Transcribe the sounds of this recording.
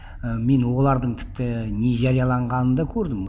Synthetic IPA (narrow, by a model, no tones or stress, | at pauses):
əme̞nwolˠɑɾd̪əɴt̪ʰɪ̥p̚t̪ɪne̞ʒɑɾijɑlˠɑɴʁɑnənd̪ɑkʲʰɵɾd̪ɪm